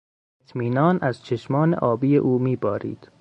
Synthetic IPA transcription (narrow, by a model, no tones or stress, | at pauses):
et̪ʰmiːnɒːnæz̥t͡ʃʰeʃmɒːnḛʔɒːbiːjḛʔuːmiːbɒːɾḭːd̪̥